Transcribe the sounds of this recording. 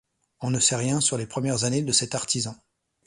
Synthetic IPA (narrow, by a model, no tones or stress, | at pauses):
ɔ̃nəsɛʁjɛ̃syʁlepχəmjɛʁzaned̪əsɛt̪aʁt̪izɑ̃